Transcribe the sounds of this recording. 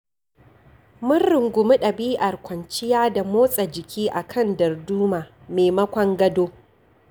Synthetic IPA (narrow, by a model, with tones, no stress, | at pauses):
mʊ˦nːɪ˨ŋɡʷʊ˨mɪ˦ɗɐ˨biː˦ʔɐ˨rkʷɐ˨nt͡ʃɪ˦jaː˦da˨moː˦sʼɐ˨d͡ʒɪ˨kʲʰiː˦ʔa˨kʰɐ˦˨ndɐ˨rduː˦maː˨ | meː˨mɐ˦kʷɐ˦ŋɡɐ˦doː˦